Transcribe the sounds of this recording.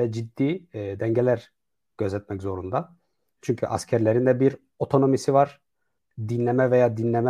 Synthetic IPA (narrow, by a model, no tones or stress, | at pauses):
ɛd͡ʒid̪ːiːd̪ɛɲɟelʲæɾ | ɟ̥ø̞zɛt̪̚mɛczo̞ɾund̪a | t͡ʃʰyɲcʰyʔa̰scʰæɾlʲeɾind̪ɛbiɾ | o̞t̪ʰo̞no̞misivaɾ̥ | d̪inlːʲɛmɛvɛjaːd̪inlʲɛmɛ